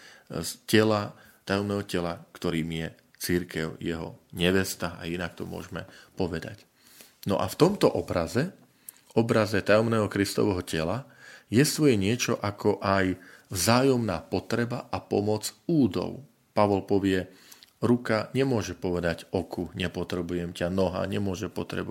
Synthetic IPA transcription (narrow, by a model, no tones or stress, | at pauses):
scɛla | t̪ajɔmnɛːɦɔcɛlakt̪ɔɾiːmjɛ | t͡siɾkɛʊjɛɦɔ̰ɲɛʋɛst̪aa̰inakt̪ɔmʊɔ̰ʒmɛpɔʋɛd̪a̰c | nɔ̰ʔa̰ft̪ɔmt̪ɔʔɔbɾazɛ | ɔbɾazɛt̪ajɔmnɛːɦɔkɾist̪ɔ̰ʋɛɦɔcɛlajɛst̪ʋɔjɛɲɪɛt͡ʃɔʔakʰɔʔajvzaːjɔmnaːpɔt̪ɾɛbaʔapɔmɔd͡zuːd̪ɔ̰ʊ | paʋɔlpɔʋɪɛ | ɾukaɲɛmʊɔʒɛpɔʋɛd̪aɟɔkʰuɲɛpɔt̪ɾɛbujɛmcanɔɦa̰ːɲɛmʊɔʒɛpɔt̪ɾɛ̰bu